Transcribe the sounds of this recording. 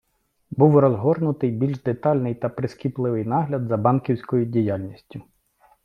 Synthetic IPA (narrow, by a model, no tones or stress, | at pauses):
buwrɔzɦɔrnʊt̪ɪjbʲilʲʒd̪et̪ɑlʲnɪjt̪ɐpɾɪskʲiplˠɪʋɪjnɑɦlʲɐd̪zɐbɑnkʲiwsʲkɔjʊdʲijalʲnʲisʲtʲʊ